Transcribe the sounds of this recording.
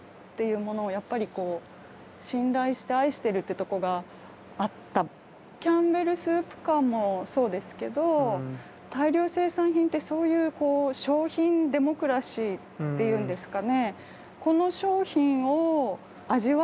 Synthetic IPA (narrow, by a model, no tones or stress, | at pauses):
t̪ːe̞jɯ̟ːmo̞no̞ːjapːaɾʲiko̞ː | ɕĩnɾaiɕi̥t̪e̞aiɕi̥t̪e̞ɾɯ̟t̪ːe̞t̪o̞ko̞ɡa | at̪ːa | kʲãmbe̞ɾɯ̟sɨːpɯ̟̥kamːo̞so̞ːd̪e̞sɨ̥ke̞d̪o̞ | t̪aiɾʲo̞ːse̞ːsãɰ̃çʲĩnt̪ːe̞so̞ːjɯ̟ːko̞ːɕo̞ːçĩnd̪e̞mo̞kɯ̟ɾaɕiː | t̪ːe̞jɯ̟̃ːnd̪e̞sɨ̥kane̞ | ko̞no̞ɕo̞ːçĩɰ̃o̞ | aʑiβa